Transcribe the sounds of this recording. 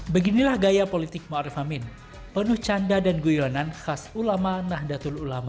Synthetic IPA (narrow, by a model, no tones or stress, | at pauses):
bəɡinilahɡajapolit̪ɪk̚moaɾɛfamɪn | pənʊht͡ʃandadanɡujonanxasulamanahdat̪ʊlulama